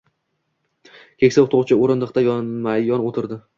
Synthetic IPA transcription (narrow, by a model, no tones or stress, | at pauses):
kʲʰekʲsɪt̪ʰoʁt͡ʃʰɪoɾɪnd̪ɨq̚t̪ajɒnmajɒnot̪ʰɪɾd̪ɪ